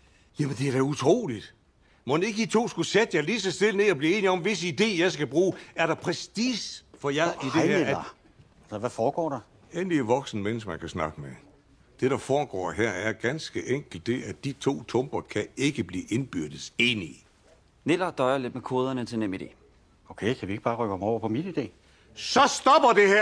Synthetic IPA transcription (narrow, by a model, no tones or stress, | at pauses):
jæmənd̥e̝æɐ̥æut͡sʰʁo̝̰ːlid̥ | mo̽ne̝ɡ̥əd̥it͡sʰo̝̰ːsɡ̥used̥jɑ̈ɪlisəsd̥e̝lne̝ːɒb̥liːe̝ːniɒ̽mʋe̝səid̥e̝̰ːjɑ̈ɪsɡ̥æb̥ʁuːæɐɾ̥ɑ̈pʰʁɛsdiːsfɒ̽jɑid̥e̝æɐ | sʋæfɒːɡ̥ɒ̰ːɾ̥ɑ | enliæʋɒ̽ɡ̥sn̩mensmænkʰæsnɑ̈ɡ̥əme | d̥e̝ɾ̥ɑ̈fɒːɡ̥ɒ̰ːɦæɐ̰æɐɡ̥ænsɡ̥əʔeŋ̰ɡ̥l̩d̥e̝ʔæd̥it͡sʰo̝̰ːt͡sʰɔ̽mb̥ɐkʰæe̝ɡ̥əb̥liːʔe̝nb̥yɐ̰d̥əe̝ːni | ne̝lɐd̥ɒɪɐled̥̚mekʰo̝ːð̞ˠɐnət͡sʰe̝nemid̥e̝̰ː | okʰeɪkʰædue̝ɡ̥əb̥ɑːʁœɡ̥hɑmɒʊ̰ɐpʰɒ̽minid̥e̝̰ː | sɒ̽sd̥ɒ̽b̥ɐd̥e̝hæɐ